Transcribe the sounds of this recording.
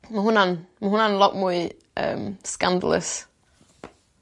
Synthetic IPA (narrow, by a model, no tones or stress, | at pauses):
məɦunanməɦunãnlɔʔkmui | ʔə̰mskãnd̪ə̰lə̰s